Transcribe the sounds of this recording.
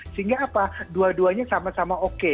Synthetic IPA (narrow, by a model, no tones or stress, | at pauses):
səɦiŋɡaːpaduaduaɲasamasamaoke